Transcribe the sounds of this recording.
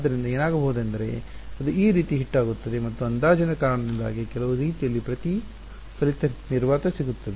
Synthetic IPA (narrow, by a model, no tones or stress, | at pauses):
d̪ːɐɾind̪ɐeːnaːɡɐbɐɦud̪ɐnd̪ɐɾe̞̰ɐd̪uiːɾiːt̪iɦiʈːaːɡut̪ːɐd̪e̞mɐt̪ːuɐnd̪aːd͡ʒɐnɐkaːɾɐɳɐd̪ind̪a̰ːɡikɛlɐʋuɾiːt̪ijɐlːipɾɐt̪i | sɐlit̪ɐniɾʋaːt̪ɐsiɡut̪ːɐd̪e